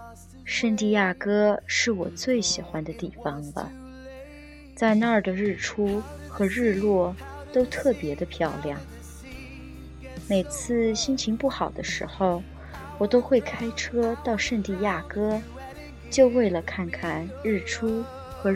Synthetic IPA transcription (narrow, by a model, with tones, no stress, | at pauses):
ʂə˥˧ŋt̪i˥˧ja˥˩kɤ˥ʂɻ̩˥˩wɔ̰˨˩t͡swe˥˩ɪɕi˨˩xwa˥nd̪ə˧t̪i˥˩fɑ˩ŋlə̰˨˩ | t͡sa˥˧ɪna˥ə˞˩də˩ɻɻ̩˥˩ʈ͡ʂʰu˥xɤ˧˥ɻɻ̩˥˧lwɔ˥˩ | t̪o˥ʊt̪ʰɤ˥˩pjɛ˧˥d̪ə˧pʰjɑ˥˧˩ʊljɑ˥˩ŋ | me˨˩ɪt͡sʰɹ̩˥˧ɕi˥nt͡ɕʰi˧˥ŋpu˥˩xɑ˨˩ʊd̪ə˦ʂɻ̩˧˥xo˥˧˩ʊ | wɔ˨˩t̪o˥ʊxwe˥˩ɪkʰa˥ɪʈ͡ʂʰɤ˥t̪ɑ˥˧ʊʂə˥˧ŋt̪i˥˧ja˥˩kɤ˥ | t͡ɕjo˥˧ʊwe˥˩ɪlə˩kʰa˥˩nkʰa˥˩nɻɻ̩˥˩ʈ͡ʂʰu˥ | xɤ˧˥